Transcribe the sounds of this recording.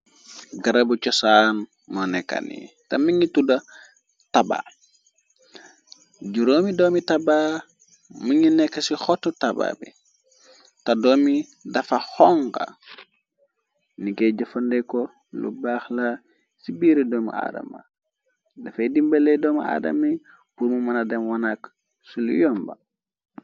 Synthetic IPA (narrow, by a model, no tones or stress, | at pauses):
ɡaɾabut͡ʃɔsan | mɔnɛkːa̰nḭ | tamiɲituda | taba̰ː | ɟuɾoːmidɔːmitaba | muɲinɛkːasixɔtːɔtaba̰ːbḭ | tadɔːmidafaxɔŋka̰ | nikɛɟafondɛkɔ | lṵbaːxla | sibiɾɛdɔːmṵa̰ːda̰ma̰ | dafadimbelɛdɔːmaa̰ːda̰mi | puɾmumanadɛmwanak | sulṵjɔmba̰